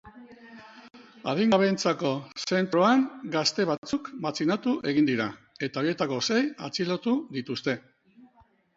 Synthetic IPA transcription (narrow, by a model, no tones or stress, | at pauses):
a̰ð̞iŋɡaβe̞nt͡sako̞se̞nt̪ɾo̞aŋɡast̪e̞β̞at͡sukbat͡sinat̪uʔe̞ɣ̞ind̪iɾa | e̞t̪ao̞ɾje̞t̪ako̞se̞ja̰t͡silo̞t̪uðit̪ust̪e̞